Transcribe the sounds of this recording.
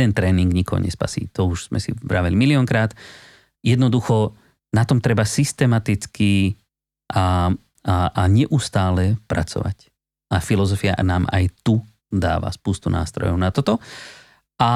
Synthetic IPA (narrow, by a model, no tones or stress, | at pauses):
ɛnt̪ɾɛːniŋɡɲikɔɦɔ̰ɲɛspa̰sḭːt̪ɔuʒz̥mɛ̰sḭbɾaʋɛlimiliɔŋkɾaːt̪ | jɛd̪nɔd̪uxɔ | nat̪ɔmt̪ɾɛbasist̪ɛmat̪it͡ski | ʔa | aɲɛʔust̪aːlɛpɾa̰t͡sɔ̰ʋa̰c | afilɔzɔfia̰naːma̰jt̪u | d̪a̰ːʋa̰spuːst̪una̰ːst̪ɾɔ̰jɔʊnat̪ɔt̪ɔ | ʔa